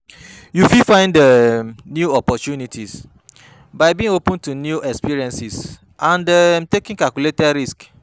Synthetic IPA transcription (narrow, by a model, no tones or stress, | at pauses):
jufifãɪ̃ndənjuɔpɔtunitʰis | baɪbĩĩŋopə̃ntunjuʔɛkspiɹiɛ̃nsis | ʔãndətekĩŋkalkuletɛdɾisk